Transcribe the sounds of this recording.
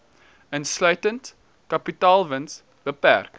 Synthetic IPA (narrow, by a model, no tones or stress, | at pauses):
ənslœɥtənt | kɐpitɑːlˠvəns | b̥əpæ̰rk